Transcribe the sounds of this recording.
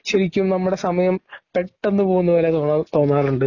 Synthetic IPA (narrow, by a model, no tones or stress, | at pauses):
ɕɐɾikʲːumnɐmːuɽe̞sɐmɐjɐmpe̞ʈːe̞nːɨpo̞ːɣunːɐpoːlet̪oːt̪o̞ːnːaːruɳɖɨ